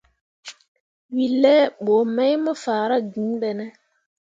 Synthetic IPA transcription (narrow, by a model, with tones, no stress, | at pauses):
wi˨lːɛ˦ɓoː˨ma˦jmɔ˦faː˨ɾa˦ɡĩ˨˦ɓɛ˨nɛ˦